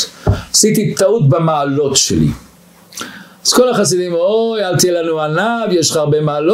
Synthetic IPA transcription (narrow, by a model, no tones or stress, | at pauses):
asit̪it̪autbamaːlo̞tʃḛlḭ | az̥ko̞laχas̬idimojalt̪ielanuanavjeʃχaʁbemaːlo